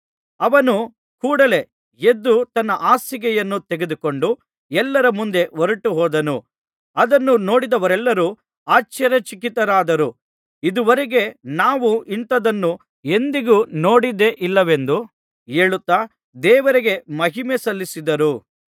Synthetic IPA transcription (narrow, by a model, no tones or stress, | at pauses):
ɐʋɐnu | kuːɽɐle̞ | ed̪ːut̪ɐnːɐʔaːsiɡɛjɐnːut̪eɡe̞d̪uko̞ɳɖu | ɛlːɐɾɐmund̪e̞ʋoɾuʈːuɦɔːd̪ɐnu | ɐd̪ɐnːuno̞ːɽid̪ɐʋɐɾɛlːɐɾu | aːt͡ʃɐɾɐt͡ʃikit̪ːɐɾaːd̪ɐɾu | id̪uʋɐɾeɡe̞naːʋuʔint̪ɐd̪ɐnːu | e̞nd̪iɡuno̞ːɽid̪e̞ʔilːɐʋe̞nd̪u | e̞ːɭut̪ːaː | d̪ɛːʋɐɾiɡe̞mɐɦimesɐlːisid̪ɐɾu